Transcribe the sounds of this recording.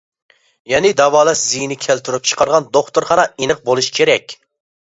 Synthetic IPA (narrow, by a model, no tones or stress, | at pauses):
jɛnɪd̪ɑwɑːlˠɛʃzijnɪkʲʰælt̪yɾyp̚t͡ʃʰə̥qʰɑɾʁɑnd̪oχt̪ʊɾχɑnɑenɨq̚bolˠuʃkʲʰeɾɛkʲ